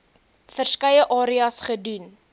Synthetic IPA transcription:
fərskɐjəʔɑːɾiɐsχədun

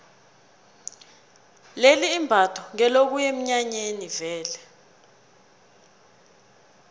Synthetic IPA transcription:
leliːmbʱatʰɔŋɛlok̬ujem̩ɲaɲenivɛːlɛ

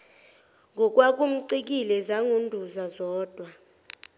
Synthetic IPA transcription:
ŋɡʱɔk̬ʼwak̬ʼum̩ǀik̬ʼilɛzaŋʱundʱuzazɔːd̥ʱwa

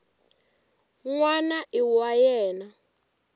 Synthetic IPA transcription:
ŋwanaʔiwajɛːna

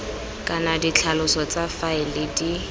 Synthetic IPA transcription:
kʼanadit͡ɬʰalʊsɔt͡safaɪlɪdi

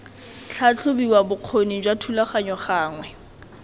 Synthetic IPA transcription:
t͡ɬʰat͡ɬʰʊbiwabʊq͡χʰonid͡ʒwatʰulaχaɲɔχaːŋwɛ

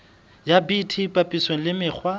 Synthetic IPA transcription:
jabitʰipʼapʼisweŋ̩lɪmɪːk͡xʰwa

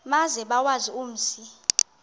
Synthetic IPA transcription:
mazɛɓawazium̩ːsi

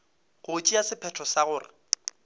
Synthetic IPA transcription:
ɣʊt͡ʃʼiasɪpʰɛtʰɔsaɣʊːrɪ̰

